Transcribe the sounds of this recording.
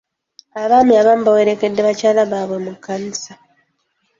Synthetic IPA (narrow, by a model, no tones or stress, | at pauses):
aβaːmiaβaːmubawe̞ɾe̞ke̞dːeβacaːlaβaːβwe̞mukːanisa